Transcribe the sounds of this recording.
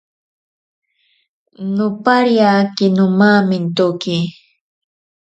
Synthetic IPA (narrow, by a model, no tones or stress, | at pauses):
nʊpaɾjakɪnʊmamɪnt̪ʊki